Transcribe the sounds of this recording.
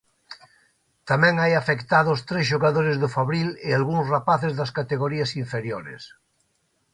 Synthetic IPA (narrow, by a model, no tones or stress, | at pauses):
t̪amɛ̃ŋajafekt̪aðost̪ɾezʃoɣaðoɾezðʊfaβɾilɪalɣuŋsrapaθezðaskat̪eɣoɾiasiɱfeɾjoɾḛs